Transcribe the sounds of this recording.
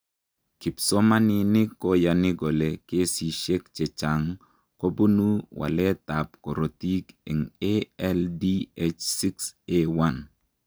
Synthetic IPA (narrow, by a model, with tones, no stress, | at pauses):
ki˨psɔ˦ma˦nɪ˨nɪ˦ko˦ja˨nɪ˦ɡo˨le˨ke˦si˨ʃe˦kt͡ʃe˨t͡ʃa˨ŋ | ko˦bu˦nu˦wa̰˨lɛ˦ta˨p̚kɔ˨ɾo˨ti˦ke˨ŋeɛ˦ldi˦e˦t͡ʃsi˦kse˦wa˦˨n